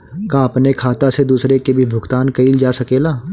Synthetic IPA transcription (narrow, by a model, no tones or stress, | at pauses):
kãɐpnekʰaːt̪ased̪uːsɾekebʱibʱʊɡt̪aːnkɐiːld͡ʒaːsɐkeːlaː